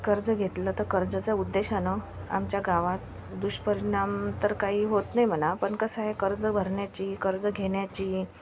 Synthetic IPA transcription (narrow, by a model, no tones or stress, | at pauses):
kəɾd͡zəɡʱet̪lət̪əkəɾd͡zət͡saud̪ːeɕanə | a̰mt͡ɕjaɡaʋat̪ | d̪uɕpəɾiɳamt̪əɾkaɦiːɦot̪najm̤ənapəɳkəsaɦekəɾd͡zəbʱəɾɳjat͡ɕiːkəɾd͡zəɡʱeɳjat͡ɕiː